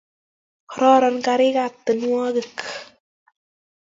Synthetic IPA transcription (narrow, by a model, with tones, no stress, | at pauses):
ɔ˨ɾɔ˦ɾɔ˨˧nka˧ɾɪ˦ka˨t̪ːə˨nwɔ˦kə˨k